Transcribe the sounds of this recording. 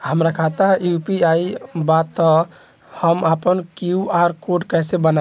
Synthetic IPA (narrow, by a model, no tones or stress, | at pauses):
ɦəmɾakʰat̪ajupiaibat̪ːɔ | həmapənkjuaɾkoɖkɛsebəna